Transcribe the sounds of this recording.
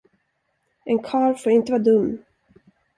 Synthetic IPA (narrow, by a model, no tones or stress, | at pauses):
ʔɛnkʰɑːɾfoːɾɪnt̪əvɑːd̪ɵmː